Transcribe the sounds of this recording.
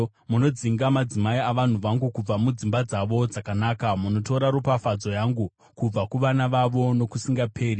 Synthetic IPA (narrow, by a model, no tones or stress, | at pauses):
muno̞d͡ziŋɡamad͡zimaiaʋan̤uʋaŋɡukub͡vamud͡zimbad͡zaʋo̞d͡zakanaːkamuno̞to̞ɾaɾupafad͡zo̞jaŋɡu | kub͡vakuʋanaʋaʋo̞no̞kusiŋɡapʰe̞ːri